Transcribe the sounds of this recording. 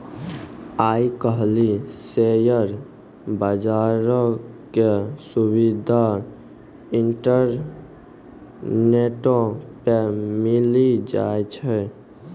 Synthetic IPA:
aikəɦlisejəɾ | bəd͡ʒaɾɔkesubid̪ʱa | iɳʈəɾ | neʈopemilid͡ʒa̰jt͡ʃʰɛ

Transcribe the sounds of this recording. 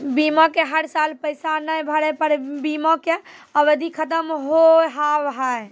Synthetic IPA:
bimɔ̃keɦəɾsalpəjsanəjbʱəɽɛpəɾebimɔ̃keəʋəd̪ʱikʰət̪əmɦoɦaʋɦəe

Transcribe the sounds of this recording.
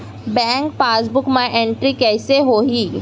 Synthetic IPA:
bɛ̃ːŋkpaːsbʊkmãʔẽɳʈɾikɛːseɦoːɦiː

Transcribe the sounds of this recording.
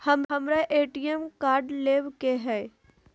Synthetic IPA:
hɐmɦɐmɾeʔeːʈiemkaːɾɖleːʋkeɦɛː

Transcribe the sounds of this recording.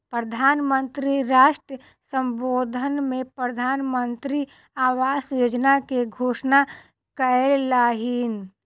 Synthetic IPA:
pɾəd̪ʱaːnmənt̪ɾiɾaːʃʈɾə | sə̃mboːd̪ʱənmẽpɾəd̪ʱaːnmənt̪ɾi | aːʋaːsjoːd͡ʒnakeɡʱoːʃna | kəellaːɦin

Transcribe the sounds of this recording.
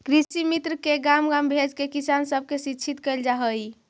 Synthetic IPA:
kɾisimit̪ɾəkeɡamɡambʱed͡ʒkekisansəb̚ʱkesitːt͡ʃʰit̪kəɪld͡ʒaɦəj

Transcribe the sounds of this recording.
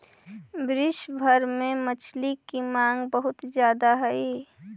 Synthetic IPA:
bɾɪʃbʱəɾmẽmət͡ʃʰlikimãːŋɡbəɦʊt̪d͡ʒjaːd̪aɦɛi

